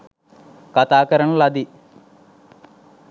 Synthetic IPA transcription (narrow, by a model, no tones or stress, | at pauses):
kat̪aːkɐɾɐnlɐd̪i